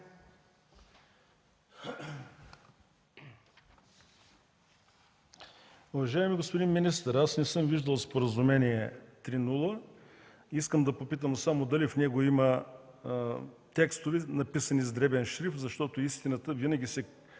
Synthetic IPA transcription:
ʊvɐʒaɛmiɡospod̪inminist̪əɾasnɛsɤmviʒd̪əlˠspoɾəzʊmɛniɛt̪ɾinulˠə | iskəmd̪ɐpopit̪̬əmsamod̪ɐlifnɛɡoimə | t̪ɛkst̪ovɛnɐpisɐnizd̪ɾɛbɛnʃɾifzɐʃt̪ɔt̪oist̪inət̪əvinəɡʲisɛ

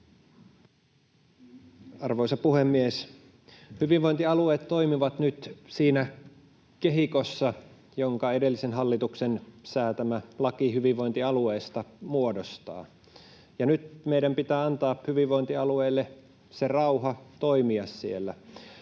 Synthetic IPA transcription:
ɑrʋojsɑpuhemːies | hyʋiʋʋojnt̪iɑlueːt̪tːo̞imiʋɑt̪nyt̪siːnæ | keɦikosːɑ | joŋkɑe̞de̞lːisenɦɑlːit̪uksensæːt̪æmælɑkiɦyʋiʋʋo̞jnt̪iɑlueːst̪ɑmuodost̪ɑ̰ː | jɑnyt̪̚meiɾæmpit̪æːɑnt̪ɑːphyʋiʋʋoint̪iɑlueːlːe | serɑuɦɑt̪o̞jmiɑsːielːæ

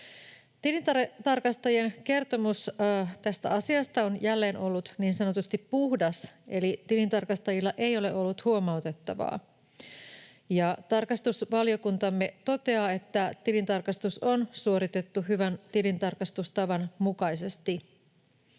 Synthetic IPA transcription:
t̪ilint̪ɑt̪ɑrkɑst̪ɑjieŋke̞rt̪o̞must̪æst̪æ̰ʔɑsiɑst̪ɑonjælːe̞ːno̞lːut̪niːnsɑno̞t̪ust̪ippuhdɑse̞lit̪ilint̪ɑrkɑst̪ɑjilːɑʔe̞jo̞le̞ʔo̞lːut̪huo̞mɑwt̪e̞t̪ːɑʋɑ̰ː | jɑt̪ɑrkɑst̪usʋɑlio̞kunt̪ɑmːe̞t̪o̞t̪e̞ɑːe̞t̪ːæt̪ilint̪ɑrkɑst̪uso̞nsuo̞ɾit̪e̞t̪ːuɦyʋænt̪ilint̪ɑrkɑst̪ust̪ɑʋɑnmukɑise̞st̪i

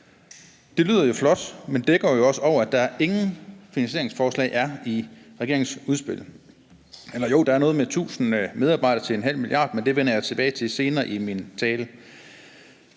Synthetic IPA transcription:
d̥e̝ly̰ːðˠɐjo̝flɒ̽d̥mend̥eɡ̥ɒjo̝ɒ̽səɒʊ̰ɐæd̥ɑ̈æɐʔe̝ŋn̩finænsɕe̝ɐe̝ŋsfɒːslɛ̰ɪʔæɐiʁɛɡ̥e̝ɐeŋsuð̞ˠsb̥e̝l̰ | elɐjo̝̰ːd̥ɑ̈æɐnɔ̽ːð̞̩ˠmet͡sʰṵːsn̩með̞ˠɑ̈ːb̥ɑ̈ɪ̰ɾ̥ɐt͡sʰe̝lenɦæl̰miljɑ̰̈ːd̥mend̥e̝ʋenɐjɑɪt͡sʰe̝b̥ɛːɪt͡sʰe̝lse̝ːnɐːʔimint͡sʰɛːlə

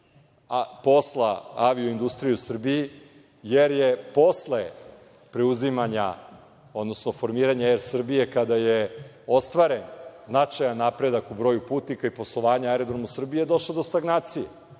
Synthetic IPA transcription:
po̞slˠaaʋioind̪ust̪ɾijeusr̩biji | jeɾjepo̞sle | pɾeuzimaɲa̰ | o̞d̪nosno̞fo̞ɾmiːɾaɲaeɾsr̩bije̞kad̪aje | o̞st̪ʋaːɾe̞nznat͡ʃajanːapɾe̞d̪akubɾo̞ːjupuːt̪nikaipo̞slˠoʋaːɲaaɾed̪ɾomusr̩bijed̪o̞ʃlaod̪o̞st̪aɡnaːt̪sije

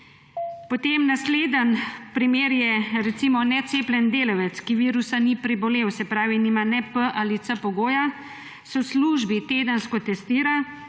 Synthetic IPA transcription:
pɔt̪emnasleːd̪ənpɾimeːɾjɛɾɛt̪simɔnɛt̪seːplʲɛnd̪eːlɔwɛt̪skiʋiːɾusanipɾibɔleːwsɛpɾaːʋiniːmanɛpəʔaːlit̪səpɔɡoːja | sɔwsluːʒbit̪eːd̪ənskɔt̪ɛst̪iːɾa

